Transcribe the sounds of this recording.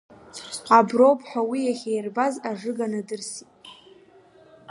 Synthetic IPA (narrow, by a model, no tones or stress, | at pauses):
abrowpʰʼħʷᶣawijaχʲejrbazaʐɨɡanadɨrsʼ